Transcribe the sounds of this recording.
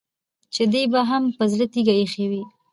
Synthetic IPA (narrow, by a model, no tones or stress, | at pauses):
t͡ʃed̪ejbaɦampəzlət̪iɡajexewi